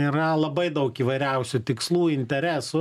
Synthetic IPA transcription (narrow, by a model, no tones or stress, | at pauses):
iɾɐlˠɐbɐɪd̪ɐʊkiːʋɐɪɾʲɛʊsʲʊt̪ʲɪkslˠuːɪnʲt̪ʲɛɾʲæːsʊ